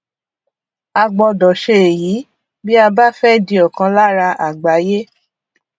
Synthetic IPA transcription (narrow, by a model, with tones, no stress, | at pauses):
a˧ɡ͡bɔ˧dɔ˨ʃe˧e˨jiː˨˦ | bi˦a˧ba˦fɛ˦˨dĩ˧ɔ˨kã˧la˦ɾa˧ʔa˨ɡ͡ba˨˦je˦